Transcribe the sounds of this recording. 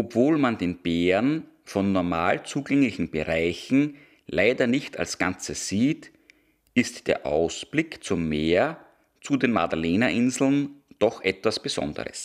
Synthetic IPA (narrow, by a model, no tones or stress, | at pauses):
ʔopv̥oːlmandeːnb̥eːɐn | fɔnːɔɐmaːlt͡suːɡɛŋlɪçn̩b̥əʁaɪçn̩ | lʔaɪdɐnɪçtʰa̰lsɡ̥ant͡səz̥iːt | ɪstd̥eːɐʔa̰ʊsb̥lɪkt͡sʊmːeːɐ | t͡sudeːnmadaleːnaʔɪnzl̩nd̥ɔxʔɛtv̥asb̥əz̥ɔ̰ndə̰ʁə̰s